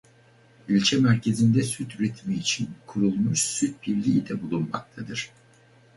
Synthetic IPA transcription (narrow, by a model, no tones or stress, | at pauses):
ilʲt͡ʃʰɛmæɾcʰe̞zind̪ɛsyt̪ʰyɾet̪ʰmiːt͡ʃʰinkʰuɾulˠmuʃsyt̪̚biɾlʲiːid̪ɛbulˠunma̰k̚t̪ʰad̪ɯɾ̥